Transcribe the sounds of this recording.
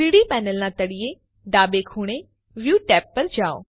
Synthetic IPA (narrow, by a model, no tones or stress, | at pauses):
iːɽiːpɛːnəlnãːt̪ɐɽije | ɖaːbekʰuːɽ̃e | ʋjuːʈɛːpːəɾd͡ʒaːo̰ː